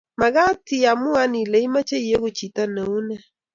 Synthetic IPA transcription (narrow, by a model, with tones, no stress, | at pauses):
ma˨ɣa˦ti˨a˨mu˦a˦ni˨le˨˦i˦ma˦t͡ʃe˦i˨e˦ɣʊ˨t͡ʃi˨ta˦nɛ˨u˦nɛ˦